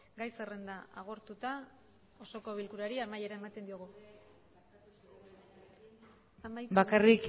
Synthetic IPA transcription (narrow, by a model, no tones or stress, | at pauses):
ɡajse̞re̞nd̪aaɣ̞o̞ɾt̪ut̪a | oso̞ko̞βilkuɾaɾiamaje̞ɾae̞mat̪e̞nd̪ioɣ̞u | amabakarik